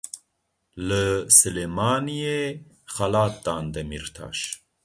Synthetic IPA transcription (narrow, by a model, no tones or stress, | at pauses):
lɨsɨleːmaːnije | xɐlaːt̪̚d̪aːnd̪ɛmiɾt̪ʰa̰ːʃ